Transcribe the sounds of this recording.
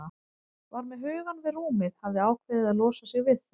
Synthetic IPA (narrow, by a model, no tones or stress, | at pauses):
a | vaɾmɛðɦʏːɣanvɪðruːmɪðhavðɪaːwkʰvɛːðɪðaðlɔːsasɪɣvɪð